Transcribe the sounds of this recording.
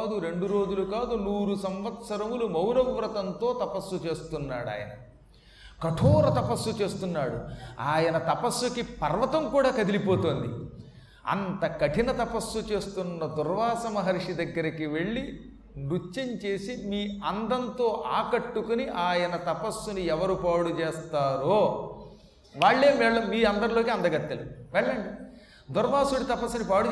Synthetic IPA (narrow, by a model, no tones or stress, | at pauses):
d̪uɾe̞ɳɖuɾo̞ːd͡ʒulukaːd̪unuːɾusɐmʋɐt̪sɐɾɐmulumɐwɾɐʋʋɾɐt̪ɐnt̪o̞ːt̪ɐpɐsːut͡ʃe̞ːst̪unːaːɽa̰ːjɐ̰nɐ | kɐʈʰoːɾɐt̪ɐpɐsːut͡ʃe̞ːst̪unːaːɽṵaːjɐnɐt̪ɐpɐsːukipɐɾʋɐt̪ɐmkuːɽaːkɐd̪ilipoːt̪o̞ːnd̪ḭ | ɐ̰nt̪ɐkɐʈinɐt̪ɐpɐsːut͡ʃe̞ːst̪unːɐd̪uɾʋaːsɐmɐɦɐɾʂid̪ɐɡːɐɾikiʋe̞ɭːi | nɾut͡ʃːɐɲt͡ʃe̞ːsimiːɐnd̪ɐnt̪o̞ːʔaːkɐʈːukuniʔaːjɐnɐt̪ɐpɐsːuniɛʋɐɾupaːɽut͡ʃeːst̪aːɾoː | ʋaːɭːe̞ːʋɛːɭːɐmiːɐnd̪ɐɾlo̞ːkiɐnd̪ɐɡɐt̪ːɐluʋɛɭːɐɳɖi | d̪uɾʋaːsuɽit̪ɐpɐsːunipaːɽu